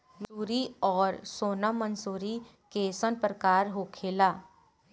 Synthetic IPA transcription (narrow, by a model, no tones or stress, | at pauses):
luːɾiɔːɾsoːnamə̃nsuːɾi | kesənpɾəkaːɾɦoːkʰeːlaː